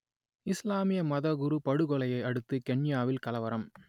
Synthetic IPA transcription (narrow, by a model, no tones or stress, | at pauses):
ɪslaːmɪjɐmɐðɐɣʊɾupɐɽɯɣɔlɐjɐɪɐɽɯt̪ːɯkɛɳjaːʋɪlkɐlɐʋɐɾɐm